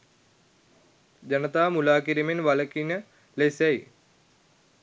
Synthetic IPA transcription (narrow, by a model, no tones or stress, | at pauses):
d͡ʑɐnɐt̪aːmulaːkiɾiminʋɐlɐkːinɐ | lesɐj